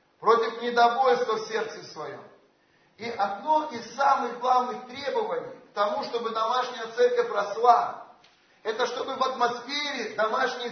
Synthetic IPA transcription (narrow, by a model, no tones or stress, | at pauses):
pɾo̞tʲɪfnʲɪd̪ɐvo̞lʲst̪vəsʲe̞rt̪sɨfsvɐjo̞̰m | iʔɐd̪no̞ʔissamɨɣɡlˠavnɨxt̪ɾʲebəvənʲɪjkt̪ɐmuʂt̪o̞bɨd̪ɐmaʂnʲɪjət̪sɛrkəfʲrɐslˠa | ɛt̪əʂt̪o̞bɨvɐt̪mɐsfʲeɾʲɪd̪ɐmaʂnʲɪ